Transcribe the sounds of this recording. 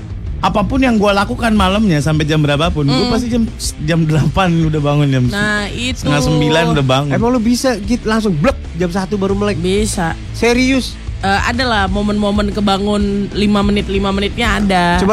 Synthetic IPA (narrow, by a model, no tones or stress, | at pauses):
ʔapapʊnjaŋɡualakukanmaləmɲasampɛd͡ʒambəɾapapʊnɡuapast̪id͡ʒamsd͡ʒamdəlapanudahbaŋʊnd͡ʒamsait̪ŋasəmbilanudabaŋʊemaŋlobisaɡit̪laŋsʊŋblək̚d͡ʒamsat̪ubaɾuməlaɪbesa | seɾiʊs | ʔəːa̰dalahmomənmomənkəbaŋʊnlimamənɪt̪̚limamənɪt̪̚ɲaːdat͡ʃuba